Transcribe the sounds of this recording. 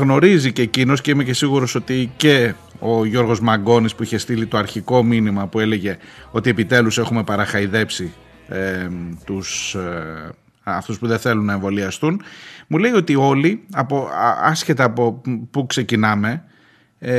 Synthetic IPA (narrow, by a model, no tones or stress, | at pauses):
ɣno̞ɾizicecino̞sce̞ime̞ce̞siɣuɾo̞sot̪ice̞ | o̞ʝo̞ɾɣo̞zmɐɡo̞nispuiçe̞st̪ilit̪o̞ɐɾçiko̞minimɐpue̞le̞ʝe̞o̞t̪ie̞pit̪e̞luse̞xume̞pɐɾɐxɐiðe̞psi | et̪us | ɐft̪uspuðenθe̞lunːɐe̞ɱvo̞liɐst̪unmuleio̞t̪io̞liɐpoɐsçe̞t̪ɐːpo̞pukse̞cinɐme̞